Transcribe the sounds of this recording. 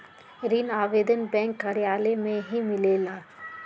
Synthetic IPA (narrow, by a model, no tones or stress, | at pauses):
ɾiːnaːʋeːd̪ənbɛ̃ːŋkːɐɾijaːlemẽɦimɪleːlaː